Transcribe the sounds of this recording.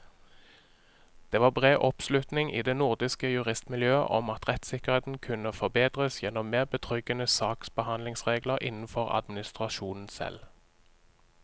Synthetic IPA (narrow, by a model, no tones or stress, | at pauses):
d̪̥eːʋɑːbʁeːʔɔpslʉt̪nɪŋʔḭːd̪eːnʊʁd̪ɪskəjʉʁɪst̪mɪljøːə̰ʔɔmɑt̪ʁɛt̪sɪkəʁheːt̪n̩kʰʉnəfɔʁbeːd̪ʁəsjɛnɔmmeːʁbət̪ʰʁʏɡənəsɑːksb̥əhɑnlɪŋsʁeːɡləʁʔɪ̰nn̩fɔʁɑ̰d̪mɪnɪst̪ʁɑʃuːnn̩sɛ̰l